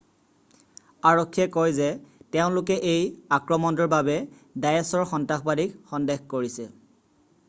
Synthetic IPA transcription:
aɹɔkʰːiɛkojzɛteʊ̃nlʊkɛʔejakɹɔmɔndɔɹbabɛ | dajɛsɔɹxɔntaxbalikxɔndexkoɹisɛ

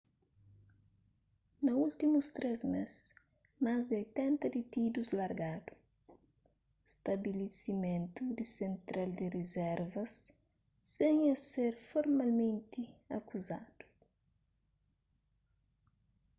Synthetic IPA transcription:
nɐult̪imust̪ɾɛzmes | mazd̪ojt̪ɛ̃nt̪ɐd̪it̪id̪uzlɐɾɡad̪̥u | st̪ɐbilesimẽnt̪ud̪isẽnt̪ɾald̪irezɛɾvɐsː | ẽɲɐseɾfoɾmalmẽnt̪iɐkuza̰d̪̥u̥

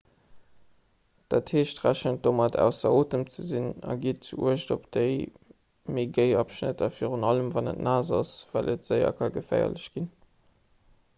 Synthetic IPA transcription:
d̥aːtheːʃtʁæɕənt̚d̥oːmɑtʰæ̰ʊsɐoːtəmt͡səzinɑ̰ɡiət̚t͡suṵəʃdopd̥əɪ | meɡəɪɑpʃnə̰tɑfiːʁunɑləmvɑnə̰tnaːzɑsv̥ælʔətz̥əɪɐ̰kʰɑɡəfæ̰ɪɐ̰ləɕɡ̥in

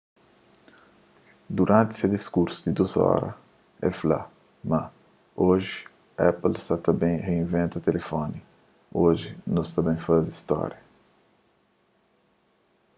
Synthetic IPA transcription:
d̪uɾɐ̃nt̪ɪ̥sed̪iskuɾsʊ̥d̪ɪd̪uzɔ̰ɾɐ̰ | ɛ̰fla̰ | mɐ | oʒɪ | ɛplsat̪ɐ̃bẽj̃heĩvẽnt̪ɐt̪elefõnɪ | oʒɪnʊst̪ɐ̃mbẽj̃fazist̪ɔ̰ɾjɐ

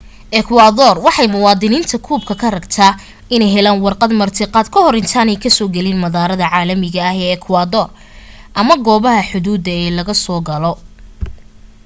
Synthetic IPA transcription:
ʔɛkʰwaːðɔːrwɑħɑjmʊwɑːd̪ɪniːnt̪ʰɐkʰuːbkʰɐkʰɐrɐɡt̪ʰaː | ɪnɛjɦɛlaːnwɑrqɑd̪mɐrt̪ʰɪqɑːd̪kʰɐɦɔɾɪnt̪ʰaːnɛjkʰɐsɔːɡɛlɪnmɐðaːɾɐðɐʕɑːlɐmɪɣɐːhɛːɛkʰwaːðɔːr | ʔɐmɐɡɔːβɐɦɐħʊðuːd̪ɐɛːlɐɣɐsɔːɡɐlɔ

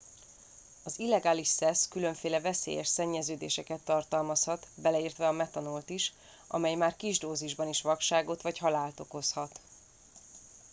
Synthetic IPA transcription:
ɒzilːɛɡaːliʃsɛskylø̞ɱfeːlɛvɛsḛːjɛʃsɛɲːɛzøːd̪ḛːʃɛkɛt̪ːɒrt̪ɒlmɒshɒt̪bɛlɛiːrt̪ʋɛɒmɛt̪ɒnolt̪iʃ | ʔɒ̰mɛjmaːrkiʒd̪oːziʒbɒniʃʋɒkʃaːɡo̞t̪ʋɒcɦɒlaːlt̪o̞ko̞shɒt̪

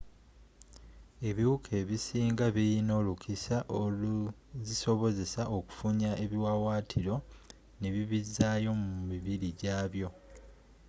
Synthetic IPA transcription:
e̞βiwukʰe̞ːβisiːŋɡaβijino̞ːlukisaʔo | ziso̞βo̞ze̞saʔo̞ku̥fuɲaʔe̞βiwawaːtʰiɾo̞ | ne̞βiβizaːjo̞mumiβiɾiɟaːβjo̞

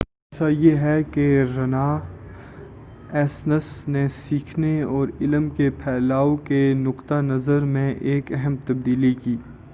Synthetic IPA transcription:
ɛːsajeɦɛkeɾɐna | ɛːsnəsnesiːkʰneɔːɾɪləmkepʰɛːlaːokenʊqt̪anɐzəɾmẽʔeːkɛɦɛmt̪ɐb̚d̪iːlikiː

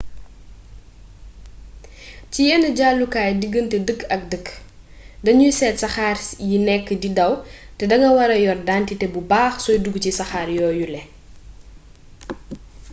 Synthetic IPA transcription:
cijɛnəɟaːlːukaːjdiɡːəntɛdəkːɐk̚dəkː | dɐɲusɛːtsɐxaːɾjinɛkːdidɐwtɛdɐŋɐwɐɾɐjɔrdaːntitɛbubaːxsɔjduɡcisɐxaːɾjɔːjulɛ

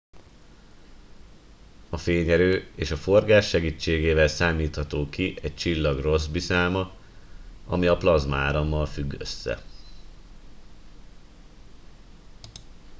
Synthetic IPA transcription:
ɒfeːɲɛɾøːeːʃɒfo̞rɡaːʃːɛɡiːt͡ʃːeːɡeːvɛlsaːmiːt̪hɒt̪oːkiʔɛct͡ʃilːɒɡro̞zbisaːlmɒ | ɒmiɒplɒzmɒaːɾɒmːɒlfyɡːø̰sːɛ̰

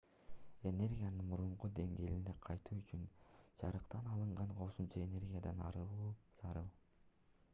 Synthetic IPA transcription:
e̞ne̞rɡʲijanɯnmuɾuɴqud̪e̞ŋɡe̞ːlineqʰɑjt̪uːyt͡ʃynd͡ʒɑɾɯqt̪ɑnɑlˠɯɴɢɑɴqʰo̞sumt͡ʃɑe̞ne̞rɡʲijad̪ɑnɑ̰ɾɯlˠuːz̥ɑɾɯlˠ

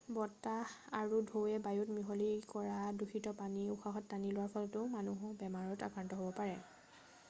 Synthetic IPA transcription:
bɔtahaɹudʱowɛbajutmiɦɔlikɔɹaduxʰitɔpaniuxaxɔtːanilʊwaɹpʰɔlɔtʊmanuɦɔbɛmaɹɔta̰kɹantɔɦobɔpaɹɛ

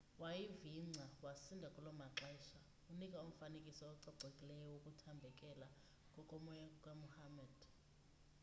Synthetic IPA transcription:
wajiviŋ͡ǀʱawasindʱakʼulɔmaǁaiʃa | unikʼaum̩fanekʼisɔːǀɔɡ͡ǀʱekʼilɛjɔwokʼutʰambʱɛkʼɛla | kʼɔkʼɔmɔjakʼwamuhamɛd̥

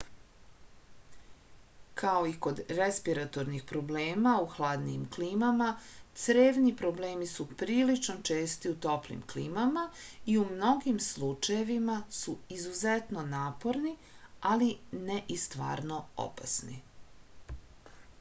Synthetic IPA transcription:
kʰao̞iko̞d̪ɾespiɾat̪o̞ɾnixpɾo̞ble̞ːmauxlˠaːd̪niːmkliːmamat̪sɾeːʋnipɾo̞ble̞ːmisupɾiːlit͡ʃnot͡ʃeːst̪iut̪o̞plḭmkliːmamaiumno̞ɡimslut͡ʃaje̞ʋimasuizuzet̪no̞naːpo̞ɾni | alineʔist̪ʋa̰ːɾno̞o̰pasnḭ

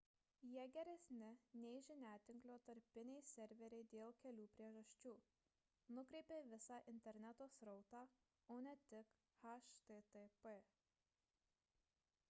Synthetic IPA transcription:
jiɛɡʲɛɾʲɛsʲnʲɪnʲɛɪʒʲɪnʲæːt̪ʲɪŋklʲoːt̪ɐɾʲpʲɪnʲɛɪsʲɛɾʲʋʲɛɾʲɛɪd̪ʲeːlˠkʲɛlʲuːpʲɾʲiɛʒɐʃʲt͡ʃʲuː | nʊkɾʲɛɪpʲeːʋʲɪsɑːʔɪnʲt̪ʲɛɾʲnʲɛt̪oːsɾɔʊt̪ɑː | oːnʲɛt̪ʲɪk | hɐʃt̪et̪ɛpɛ

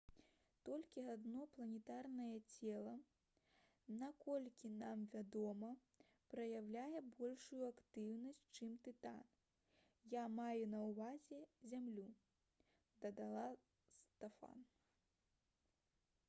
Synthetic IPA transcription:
t̪ɔlʲkʲiad̪nɔplˠɐnʲɛt̪arnɐjɐt͡sʲɛlˠɐ | nakɔlʲkʲinamvʲad̪ɔmɐ | pɾɐjawlʲajɛbɔlʲʂujuakt̪ɨwnɐsʲtʲt͡ʂɨmt̪ɨt̪a̰n | jamajunɐwvazʲɛzʲamlʲu | d̪ɐd̪alˠa | st̪ɛfa̰n

